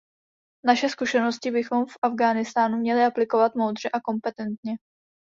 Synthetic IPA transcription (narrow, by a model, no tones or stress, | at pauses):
naʃɛskuʃɛno̞scɪbɪxo̞mfʔavɡaːnɪst̪aːnumɲɛlɪʔaplɪko̞vat̪mo̞wd̪r̝ɛʔako̞mpɛt̪ɛnt̪ɲɛ